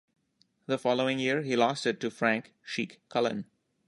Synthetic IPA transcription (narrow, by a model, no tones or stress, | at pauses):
ðəfɔloʊɪ̃ŋjiɹhilɔsʈɪʈ̚ːufɾæ̃ŋk | ʃiːkkʰːʌlə̰̃n